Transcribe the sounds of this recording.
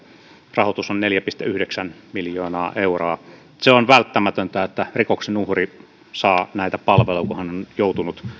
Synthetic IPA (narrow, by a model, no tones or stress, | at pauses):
rɑhot̪usonneljæpist̪ḛyhdeksænmiljoːnɑːʔeuroː | seonʋælt̪ːæmæt̪ønt̪æet̪ːærikoksenuhri | sɑːnæit̪æpɑlʋelokohɑnonjout̪unut̪